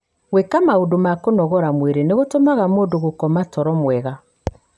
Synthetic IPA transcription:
ɣwekamaodomakonɔɣɔɾamweɾeneɣotomaɣamoːdoɣokɔmatɔɾɔmwɛɣa

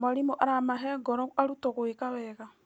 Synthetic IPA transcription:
maɾimoʔaɾamaɦɛɡɔɾɔaɾutoɣwekawɛːɣa

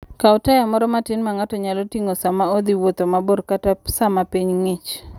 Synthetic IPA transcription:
kaɔtajamɔɾɔmatɪnmaŋatɔɲalotiŋosamaod̪iwot̪omaborkatasamapiɲŋɪt͡ʃ

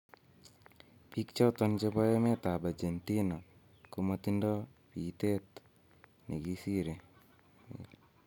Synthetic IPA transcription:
pikt͡ʃɔt̪ɔnt͡ʃebɔɛmɛt̪abad͡ʒent̪ina | kumɔt̪indɔ | pit̪et̪ | neɡisiɾe

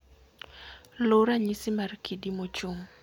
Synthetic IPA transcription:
loɾaɲisimarkʰidimot͡ʃuŋ

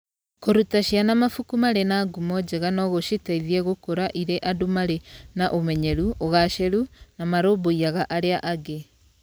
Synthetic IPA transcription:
koɾutaʃianamafukumaɾenaːɡumɔd͡ʑɛɣanɔɣoʃitaiðiɛɣokoɾaʔiɾeʔadumaɾenaʔomɛɲɛɾuoɣaʃɛɾunamaɾoːboiaɣaʔaɾeaʔaɡe

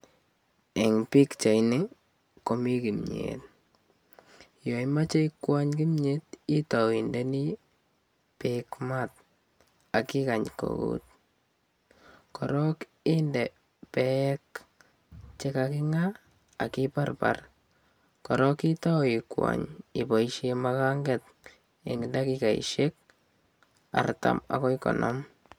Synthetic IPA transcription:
ɛŋpikt͡ʃajnɪ | komikimɲḛt | jomat͡ʃeikwaɲkimɲetitɔwindɛni | pekmat̚ | akɪkaɲko̰ɣṵt̪̚ | kɔɾɔk | ɪːndɛ | pɛk | t͡ʃekakɪŋaː | kiparpa̰r | kɔɾɔkitɔikwa̰ɲibɔiʃemakaŋɡet̚ | eŋɡɪndakikaḭʃek̚ | a̰rta̰ma̰kɔjkɔ̰nʔɔ̰m

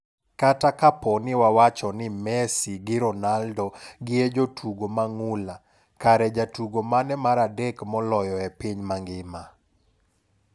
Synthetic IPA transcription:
katakapɔnɪwawat͡ʃɔnɪmɛsiɡɪɾɔnaldɔɡɪed͡ʒotʰuɡomaŋula | kaɾɛd͡ʒatuɡomanɛmaɾadekmɔlɔjɔɛpiɲmaŋɡɪma

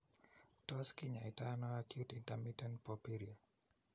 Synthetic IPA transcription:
tɔskiɲaitanɔakjutintamitɛntpɔpiɾia

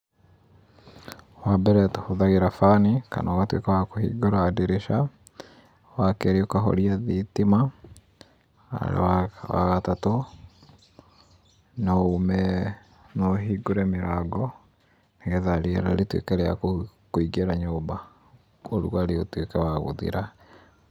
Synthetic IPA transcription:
wabɛɾɛthoðaɣeɾafanika̰naɣatwḛkawakohḭɡoɾaːdeɾeʃa | wakɛɾeokaɦo̰ɾiaðitima | wa̰ɣatato | naomɛ | noɦiɡoɾɛmeɾaɡɔ | neɣɛðaɾiɛɾaɾetwḛkeɾɛa̰kkoiɡeɾaɲoːba | oɾṵaɾeotwekawaɣo̰ðḭɾa

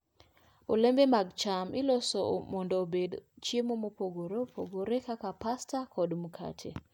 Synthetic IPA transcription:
olembemaɡt͡ʃamɪloso̰mɔndoːbedt͡ʃjemomopoɡoɾopʰoɡoɾekakapastakɔdmukʰa̰tʰḛ

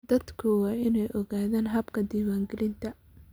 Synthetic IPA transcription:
d̪ɐd̪kʰʊwɑːɪnɛjʔɔɣaːðaːnɦɐbkʰɐd̪iːwaːŋɡɛlɪnt̪ʰɐ

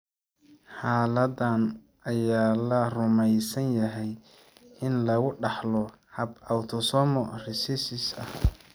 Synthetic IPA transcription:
ħaːlɐdan | ɐjaːlɐrʊmɛjsɐnjɐɦɛj | ɪnlɐɣʊɖɑħlɔ | hɐbɐwt̪ʰɔsɔmɔrɪsɪsɪsɐh

